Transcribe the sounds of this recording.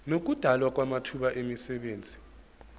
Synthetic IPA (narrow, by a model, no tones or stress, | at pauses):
nok̬ud̥ʱalwak̬wamatʰuɓaʔemisɛɓeːnd͡zʱi̥